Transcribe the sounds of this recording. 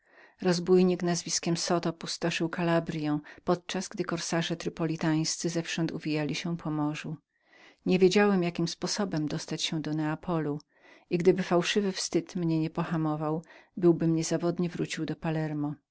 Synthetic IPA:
ɾɔzbujɲiknazvʲiskʲɛmsɔt̪ɔpust̪ɔʂɘwkalabɾʲjɛ̃w̃pɔt̪̚t͡ʂazɡd̪ɘkɔɾsaʐɛt̪ɾɨpɔlʲit̪aj̃st̪sɘzɛfʂɔnt̪uvʲijalʲiɕɛpʰɔmɔʐu | ɲevʲjed͡ʑawɛmjakʲimspɔsɔbɛmd̪ɔst̪at͡ɕɕɛ̃d̪ɔnɛapʰɔlu | iɡd̪ɘbɘfawʂɘvɘfst̪ɘt̪mɲɛɲɛpɔxamɔvawbɘwbɘmɲɛzavɔd̪ɲɛvɾut͡ɕiwd̪ɔpalɛɾmɔ

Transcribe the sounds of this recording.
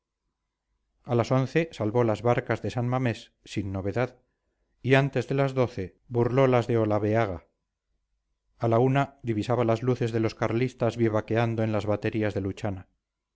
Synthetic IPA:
alaso̞n̟θe̞salβo̞lazβaɾkazðe̞sanmame̞sːinːoβe̞ðað | iant̪e̞zðe̞lazðo̞θe̞ | βurlo̞lazðe̞olaβeaɣa | launad̪iβisaβalazluθe̞zðe̞lo̞skaɾlist̪azβjeβake̞and̪oenlazβat̪e̞ɾiazðe̞lut͡ʃana

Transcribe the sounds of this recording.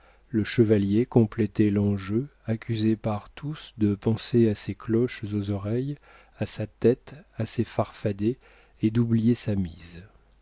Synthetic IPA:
ləʃəvaljekɔ̃plɛt̪ɛlɑ̃ʒøakʲʰyzepaʁt̪ʰusd̪əpɑ̃seaseklɔʃzozɔʁɛj | asat̪ɛt̪asefaʁfad̪e | ed̪ublijesamiz

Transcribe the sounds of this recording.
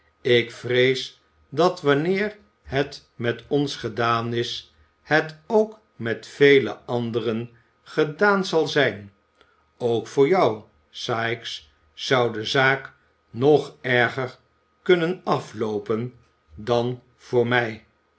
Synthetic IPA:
ɪkfrejs | dɑtʋɑnɪːr | ɦɛt | mɛtɔnsχədaːnɪs | hɛtowk | mɛtfejlə̰ɑndərən | χədaːnzɑlˠzɛjn | owkfʊːɹjɑw | saːjks | sʌwdəzaːk | nɔχɛɹχəɹ | kɵnənɑflowpən | dɑn | v̥ʊːɹmɛj

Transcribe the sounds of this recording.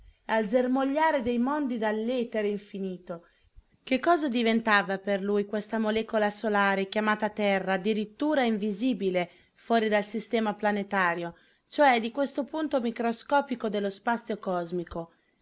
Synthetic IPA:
alzermoʎːaːɾed̪ejmond̪id̪alːɛːt̪eɾeiɱfiniːt̪o | kekːɔːzad̪ivent̪aːvaperlujkwest̪amolɛːkolasolaːɾekjamaːt̪at̪ɛrːaːd̪iɾit̪ːuːɾaiɱviziːbile | fwɔːɾid̪alsist̪ɛːmaplanet̪aːɾjo | t͡ʃoɛd̪ikwest̪opunt̪omikɾoskɔːpikod̪elːospat̪sːjokɔzmiko

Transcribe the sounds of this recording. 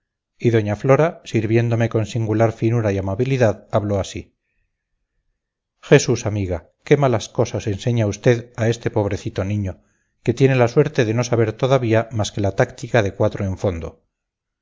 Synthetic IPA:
iðo̞ɲaflo̞ɾasiɾβje̞nd̪o̞me̞ko̞nsiŋɡulaɾfinuɾajamaβiliðaðaβlo̞asi | xe̞susamiɣa | ke̞malasko̞sase̞nse̞ɲaust̪e̞ðae̞st̪e̞po̞β̞ɾe̞θit̪o̞nĩɲo̞ | ke̞t̪je̞ne̞laswe̞ɾt̪e̞ðe̞no̞saβ̞e̞ɾt̪o̞ðaβiamaske̞lat̪akt̪ikaðe̞kwat̪ɾoe̞ɱfo̞nd̪o̞̰

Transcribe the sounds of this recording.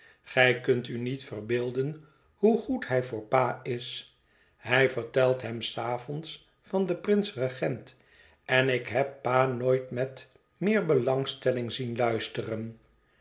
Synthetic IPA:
χɛjkɵntynitfərbɪːlˠdən | huχuthɛjvʊːɹpaːɪs | ɦɛjvəɹtɛlˠtɦɛmsaːvɔns | fɑndəprɪnsrəχɛnt | ɛnɪkɦɛpːaːnojtmɛt | mɪːɹbəlɑŋstɛlɪŋzinlœɥstərən

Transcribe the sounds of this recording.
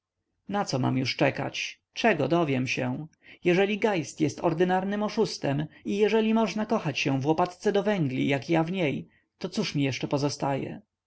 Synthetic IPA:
nat̪sɔma̰mjuʂt͡ʂɛka̰t͡ɕ | t͡ʂɛɡɔd̪ɔvʲjɛmɕɛ | jɛʐɛlʲiɡajst̪jɛst̪ɔɾd̪ɘnaɾnɘmɔʂust̪ɛmijɛʐɛlʲimɔʐnakɔxat͡ɕɕɛ̃vwɔpat̪t̪sɛd̪ɔvɛŋɡlʲḭjakjavɲej | t̪ɔt̪suʂmʲijɛʂt͡ʂɛpɔzɔst̪ajɛ̰

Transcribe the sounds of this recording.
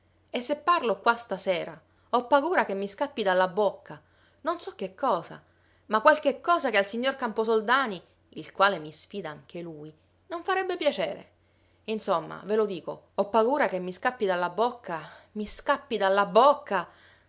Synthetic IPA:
esːepːarlokwast̪asɛːɾa | ɔpːaɡuːɾakemːiskapːid̪alːabokʰːa | nonsɔk̟ːekʰːɔːza̰ | makwalk̟ekːɔːzakealsiɲːorkamposold̪aːni | ilkwaːlemisfiːd̪aaŋk̟eluj | noɱfaɾɛbːepjat͡ʃeːɾḛ | insomːa̰velod̪iːko̰ɔpːaɡuːɾakemːiskapːid̪alːabːokːamiskapːid̪alːabokːa

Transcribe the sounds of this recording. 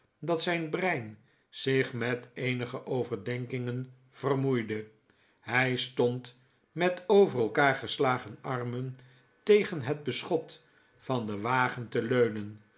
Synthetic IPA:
dɑtsɛjnbrɛjn | z̥ɪχmɛtejnəχəʔowvəɹdɛŋkɪŋən | v̥ərmujdə | ɦɛjstɔnt | mɛtowvərɛlˠkaːɹχəslaːχənɑrmən | tejχənɦəd̚bəsχɔt | fɑndəʋaːχəntəløɥnən

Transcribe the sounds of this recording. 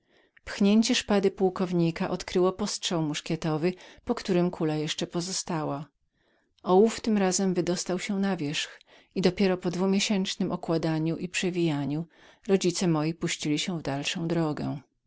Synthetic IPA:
pxɲeɲt͡ɕɛʂpad̪ɘpuwkɔvɲikaʔɔt̪kɾɘwɔpɔstʂɛwmuʂkʲjɛt̪ɔvɘpɔkt̪uɾɘmkʰulajɛʂt͡ʂɛpɔzɔst̪awa | ɔwuft̪ɘmɾazɛmvɘd̪ɔst̪awɕɛnavʲjɛʂx | id̪ɔpʲjɛɾɔpɔd̪vumʲjeɕɛnt͡ʂnɘmʔɔkwad̪aɲuʔipʂɛvʲijaɲuɾɔd͡ʑit̪sɛmɔjipuɕt͡ɕilʲiɕɛ̃vd̪alʂɔ̃w̃d̪ɾɔɡɛ

